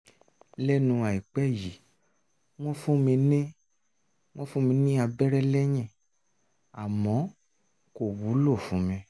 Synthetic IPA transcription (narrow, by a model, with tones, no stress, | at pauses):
lɛ˦nũ˧a˨i˨k͡pɛ˦˨ji˨ | w̃ɔ̃˦fũ˦mĩ˧nẽ˦ | w̃ɔ̃˦fũ˦mĩ˧nĩ˦a˧bɛ˦ɾɛ˦lɛ˦j̃ɛ̃˦˨ | a˨mɔ̃˨˦ | ko˨wu˨˦lo˦˨fũ˨˦mĩ˧